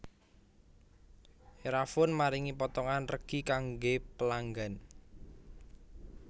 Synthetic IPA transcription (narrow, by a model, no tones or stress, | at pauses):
eɾafʊnmaɾiŋipɔt̪ɔŋanrəɡ̥i̤kaŋɡepəlaŋɡan